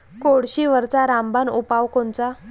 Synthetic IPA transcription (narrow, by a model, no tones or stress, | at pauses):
koɽɕiʋəɾt͡saɾambanupawkont͡sa